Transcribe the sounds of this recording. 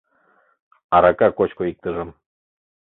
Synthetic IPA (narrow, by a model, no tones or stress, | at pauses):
ɑɾɑkɑkot͡ɕkoik̚t̪əʒə̆m